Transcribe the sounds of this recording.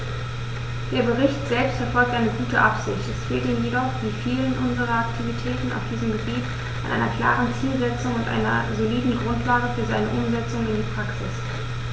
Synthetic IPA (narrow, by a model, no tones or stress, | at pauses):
d̥eːɐbəʁɪçtz̥ɛlpstfɛɐfɔlk̚tʔaɪnəɡuːtəʔapz̥ɪçtɛsfeːltiːmjedɔχd̥iːfiːlənʔʊnzəʁɐaktʰivitʰɛːtn̩a̰ʊfd̥iːzəmɡəbiːt | ʔa̰nʔa̰ɪnɐkʰl̥a̰ːʁənt͡siːlzɛt͡sʊŋʊntʔa̰ɪnɐ̰zoliːdn̩ɡʁʊntlaːɡəfyːɐzaɪnəʔʊmzɛt͡sʊŋnɪndiːpʁ̥aksɪs